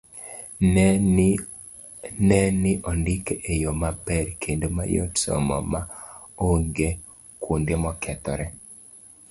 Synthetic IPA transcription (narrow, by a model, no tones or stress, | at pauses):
nɛnɪʔɔndɪkeʔejomapɛrkʰendoma̰jo̰tsɔ̰mɔ̰maoɡe | kundemɔkʰɛt̪ɔ̰ɾɛ